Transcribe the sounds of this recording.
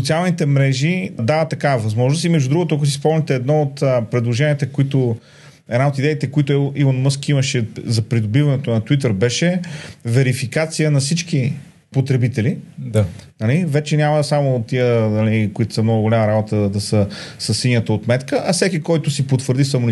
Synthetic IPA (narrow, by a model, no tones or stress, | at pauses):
sot̪sialˠnit̪ɛmɾɛʒid̪avət̪ɐkavɐvɐzmɔʒnost̪imɛʒud̪ɾuɡʊt̪ʊak̬ʊsispɔmnʲit̪ɛːd̪nɔot̪əpɾɛd̪lˠoʒɛniət̪ɛkoit̪o | ɛd̪naot̪id̪ɛit̪ɛkoit̪ʊʔivonmɤskiməʃɛzɐpɾid̪obivɐnɛt̪ʊnɐt̪wit̪əɾbɛʃɛvɛɾifikat̪sijənɐsit͡ʃki | pot̪ɾɛbit̪ɛlianɐlivɛt͡ʃɛnʲaməsamot̪ːiənɐlikʊit̪ʊ̥sɐmnɔɡʊɡolʲamɐɾabot̪əd̪ɐsəsəsːiɲʲət̪əot̪mɛt̪kəʔɐfsɛkikɔjt̪ʊsipot̪vəɾd̪isɐmon